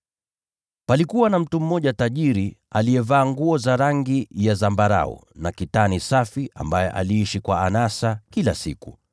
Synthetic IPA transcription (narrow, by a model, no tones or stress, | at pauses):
palikuwanam̩tum̩ːɔʄataʄiɾi | alijɛvaːŋɡuɔzaɾaŋɡijazambaɾa̰ɔ̰nakitanisafiʔa̰mbajɛʔa̰liːiʃikwaanasakilasḭku